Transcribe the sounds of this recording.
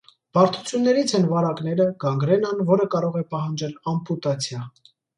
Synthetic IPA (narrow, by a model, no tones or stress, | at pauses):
b̥ɑɾt̪ʰut͡sʰjunːɛɾit͡sʰɛnvɑɾɑkn̪ɛɾəɡɑŋɡɾɛnɑnvɔɾəkɑɾɔʁɛpɑɦɑnd͡ʒɛlɑmput̪ɑt͡sʰjɑ